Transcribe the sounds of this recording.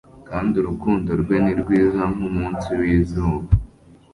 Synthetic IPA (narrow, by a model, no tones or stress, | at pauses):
kaːndiuɾukuːndoɾɡweniɾɡwiːzaŋumuːnsiwiːzoβa